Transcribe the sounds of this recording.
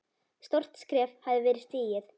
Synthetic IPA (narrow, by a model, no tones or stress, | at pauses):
st̪ɔr̥t̪skɾɛːfhavðɪvɛːɾɪst̪iːjɪθ